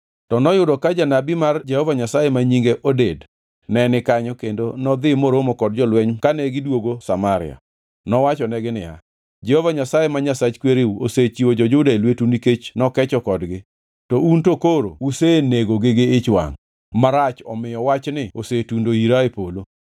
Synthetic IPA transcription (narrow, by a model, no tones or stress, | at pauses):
tɔnɔjʊdɔkad͡ʒanabimard͡ʒɛhɔvaɲasajemaɲiŋɡeʔoded | nɛnɪkaɲɔkendonɔd̪ɪmoɾomokɔd̚d͡ʒɔlwɛɲkanɛɡɪdwoɡosamaɾɪ̰a̰ | nɔwat͡ʃɔnɛɡɪnɪja̰ | d͡ʒɛhɔvaɲasajemaɲasat͡ʃkweɾeuoset͡ʃiwod͡ʒɔd͡ʒʊdaelwetuniket͡ʃnɔkɛt͡ʃɔkɔdɡɪ | tɔuntokoɾo̰useneɡoɡɪɡɪɪt͡ʃwa̰ŋ | maɾat͡ʃɔmɪjɔwat͡ʃnɪosetundoiɾaepolo